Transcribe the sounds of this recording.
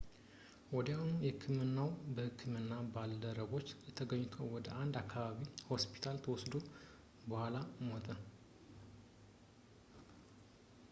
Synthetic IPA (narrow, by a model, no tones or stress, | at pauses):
wɔd̪janujɛhɨkʰːɨmɨnːawbəhɨkʰːɨmɨnːabald̪əɾəɡo̞t͡ʃːɛt̪ʰəɡəɲːt̪ʰowwɔd̪əʔand̪akːaβaβiho̞spʰi̥t̪ʰalt̪ʰəwɔsd̪o | bəhʷalamot̪ʼə